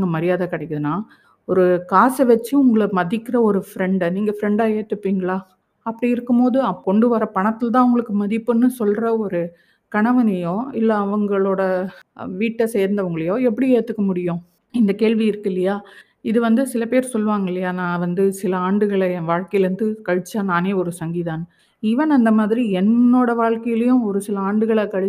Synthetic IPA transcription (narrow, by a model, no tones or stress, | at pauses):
ŋɡɐmɐɾɪjaːðɐkɪɽɐkːɯðɯnːaː | ɔɾɯkaːsɐʋɛt͡ʃːɯʊŋɡɐɭɐmɐðɪkːɪɾɐɔɾɯfɪɾɛɳɖniːŋɡɐfɾɛɳɖaːeːt̪ːɯpːiːŋɡɐɭaː | ɐpːɐɽiɪɾɯkːɯmpoːðɯɐkɔɳɖɯʋɐɾɐpɐɳɐt̪ːɪlt̪̬ãːʊŋɡɐɭɯkːɯmɐðɪpːɯnːɯsɔlɾɐɔɾɯ | kɐɳɐʋɐnɐjõːɪlːɐːʋɐŋɡɐɭoːɽɐʋiːʈːɐsɛjɐɾnd̪ɐʋɐŋɡɐɭɐjõːɛp̬ːɐɽieːt̪ːɯkːɐmʊɽɪjʊ̃ | ɪnd̪ɐkeːɻʋiɪɾɯkːɪlːɐjaː | ɪðɯʋɐnd̪ɯsɪlɐpeːɾsɔlːɯʋaːŋɡɐɪlːɐjaːnãːʋɐnd̪ɯsɪlɐaːɳɖɯɣɐɭɐʋaːɻkɐjɐlɾɯnd̪ɯkɐɻɯt͡ʃːaːnaːneːɔɾɯsɐŋɡiðaːnɯ | ɪʋɐnɐnd̪ɐmaːðɪɾiɛnːoːɽɐʋaːɻkɐjɐlɐjʊ̃ɔɾɯsɪlɐaːɳɖɯɣɐɭɐkɐɻɯ